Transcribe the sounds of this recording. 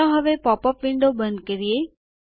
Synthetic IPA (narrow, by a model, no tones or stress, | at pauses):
ãɦəʋepɔːpəpʋɪ̃ɳɖobə̃nd̪̚kəɾie